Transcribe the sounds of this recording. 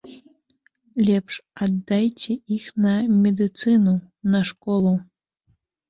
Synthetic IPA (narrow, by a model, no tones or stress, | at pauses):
lʲɛpʂad̪ːajt͡sʲɛixnɐmʲɛd̪ɨt̪sɨnu | nɐʂkɔlˠu